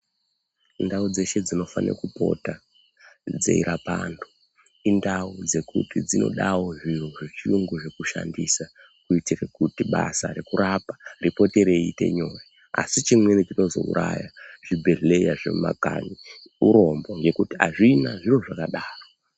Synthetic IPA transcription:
ndaud͡ze̞ʃe̞d͡zino̞fanḛkupo̞̰ta | d͡ze̞̰iɾʔapa̰ndo | indaud͡ze̞kṵtid͡zino̞̰ɗawo̞ʐiruʐit͡ʃiuŋɡuʐekuʃa̰ndisa | kuitirekutiɓasaɾekuɾapḁripo̞te̞ɾe̞ite̞̰ɲo̞je | a̰sit͡ʃimwenit͡ʃino̞zo̞̰ṵɾajaʐ̥ibʱe̞ɮe̞jaʐḛmma̰ka̰ni | uɾo̞mboŋɡe̞kutiaʐinaʐiro̞ʐakaɗaːro

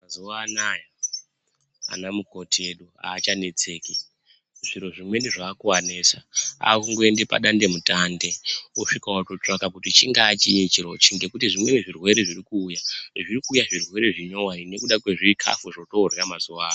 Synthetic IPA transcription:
mazuaːnaja | a̰namuko̞tieɗua̰ːt͡ʃane̞t͡se̞ːki | ʐiɾo̞ʐimwe̞niʐaːkuwanesaa̰kuŋɡo̞e̞nde̞pa̰ɗande̞mutande̞oʂikawato̞t͡ʂakakutit͡ʃiŋɡaːt͡ʃijet͡ʃiɾo̞t͡ʃiŋɡe̞kutiʐimwe̞niʐirwe̞ɾe̞ʐirikuːjaʐirikuːjaʐirwe̞ɾe̞ʐiɲo̞waine̞kuɗakwe̞ʐikʰa̰fuʐoto̞rjamazuaːa

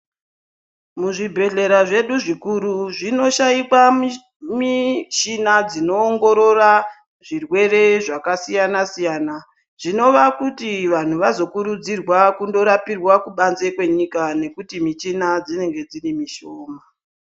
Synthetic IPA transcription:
muʐibʱe̞ɮe̞ɾaʐe̞ɗuʐikuɾuʐino̞ʃaikwami | mit͡ʃinad͡zino̞ːŋɡo̞ɾo̞ra | ʐirwe̞re̞ʐakasijanasijaːna | ʐ̥ino̞ʋakutiʋan̤uʋazo̞kuɾud͡zirwakundo̞ɾapirwakuɓanze̞kwe̞ɲikane̞kutimit͡ʃinad͡zine̞ŋɡe̞d͡zirimiʃoːma

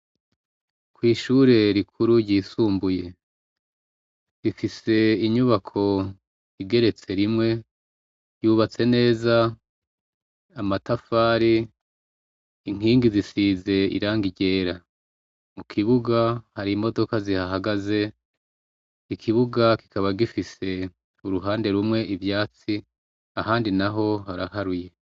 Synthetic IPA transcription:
kwiːʃuɾe̞ɾikʰuɾuɾɟiːsuːmbuje̞ | ɾifise̞iɲuβakʰo̞ | iɡe̞ɾe̞t͡se̞ɾimŋe̞ | juːβat͡se̞ne̞ːza | amatafaːɾi | iŋ̥iːŋɡizisize̞ḭɾaːŋɡiɟe̞ːɾa | mukʰiβuɡahaɾimo̞do̞kazihaɦaɡaze̞ | ikʰiβuɡaki̥kʰaβaɡifise̞ | uɾuɦaːnde̞ɾumwe̞ʔivjaːt͡si | ahaːndinaɦo̞haɾaɦaɾuje̞

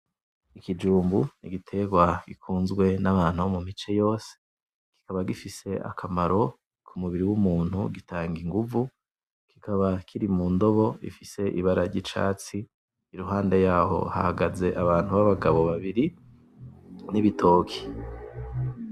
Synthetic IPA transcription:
ikid͡ʒuːmbuniɡitʰe̞ɡwaɡ̥ikʰuːnzɡwe̞naβaːn̥huomumit͡ʃe̞jo̞ːse̥ | ki̥kaβaɡifise̞ʔa̰kʰamaɾo̞ | kʰumuβiɾiwumuːn̥huɡitaːŋɡiŋɡuvu | ki̥kʰaβakʰiɾimuːndo̞βo̞ḭfise̞ʔiβaɾaɾɟit͡ʃa̰ːt͡siː | ɾuɦaːnde̞jaːɦo̞̰ha̰haɡaze̞ʔaβaːn̥uβaβaɡaβo̞βaβiɾi | niβitʰo̞ːkʰi̥

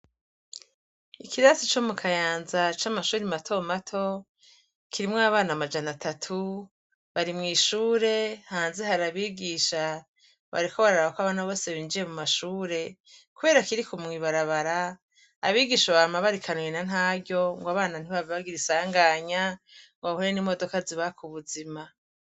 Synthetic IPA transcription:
ikiɾasit͡ʃomukʰajaːnzat͡ʃamaʃuːɾimatʰo̞matʰo̞ | kʰiɾimŋoaβaːnamad͡ʒanatʰatʰu | βaɾimŋiːʃuːɾe̞haːnzeɦaɾaβiːɡiːʃa | βa̰ɾiko̞βaɾaɾaβakoaβaːnaβo̞ːseβiːnd͡ʒije̞mumaʃuːɾe̞ | kuβe̞ːɾakiɾikumŋiβaɾaβaɾaː | βiːɡiːʃaβamaβaɾikʰanwenan̥ɦaːɟo̞ŋɡwaβaːnan̥iβaβiβaɡiɾisaːŋɡaːɲaŋɡahuɾenimo̞do̞kaziβakʰuβuzima

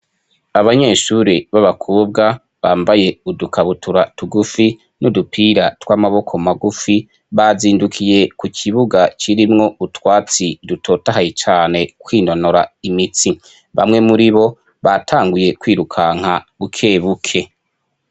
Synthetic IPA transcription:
aβaɲe̞ːʃuɾiβaβakʰuːb̚ɡa | βaːmbaje̞udukʰaβutʰuɾatuɡufi | nudupʰiɾatwaːmaβo̞kʰo̞maɡufi | βaziːndukʰije̞kukʰiβuɡat͡ʃiɾimŋo̞utwaːt͡sidutʰo̞ːtaɦajit͡ʃaːne̞kwiːno̞noɾaimit͡si | βa̰mŋe̞muɾiβo̞ | βatʰaːŋɡuje̞kwiːɾukʰaŋ̥aukʰeːβukʰe̞

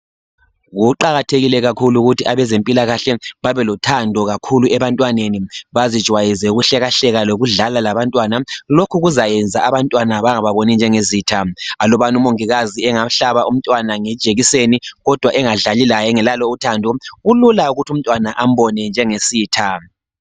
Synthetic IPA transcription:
ɣuǃaɣatʰeɣilɛɣakʰuluɣutʰiʔaβɛzempʼilaɣaɬɛβaβɛlɔtʰandʱɔɣakʰuluɛβantʼwaneniβazid̥ʒ̥ʱwajizɛuɣuɬɛɣaɬɛɣaloɣuɮalalaβantʼwanalokʰuɣuzajɛnd͡zʱaaβantʼwanaβaŋaβaβonind͡ʒʱɛŋeziːtʰaalɔβanumoŋiɣaziɛŋaɬaβaʔum̩tʼwanaŋɛd̥ʒ̥ʱeɣiseniɣɔd̥ʱwaʔɛŋaɮalilajɛŋɛlaloutʰandʱɔɣululauɣutʰium̩tʼwanaʔam̩bɔnɛnd͡ʒʱɛŋesiːtʰa

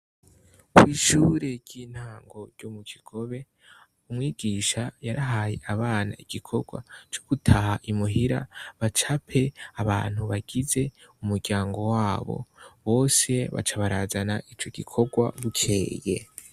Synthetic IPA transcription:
kwiːʃuɾe̞ɾɟ̥iːn̥haːŋɡo̞ɾɟomukiɡ̥o̞βe̞ | umŋiːɡ̥iːʃajaɾaɦaːjḛʔaβaːna̰iɡ̥ikʰo̞ɡwa̰t͡ʃoɡ̥utʰahaʔimuɦiɾa̰βat͡ʃapʰe̞aβa̰ːn̥huβaɡ̥ize̞umuɾɡaːŋɡo̞waːβo̞̰βo̞ːse̞βa̰t͡ʃaβaɾaːzanaʔit͡ʃo̞ɡikʰo̞ɡwa̰βut͡ʃʰeːje̞̰

